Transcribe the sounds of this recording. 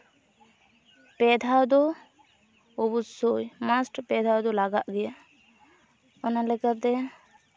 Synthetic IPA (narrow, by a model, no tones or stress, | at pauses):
pɛd̪ʱad̪ɔ | ɔbusojmasʈpɛd̪ʱawd̪ɔlaɡaʔɡɛja | ɔnalɛkat̪ɛ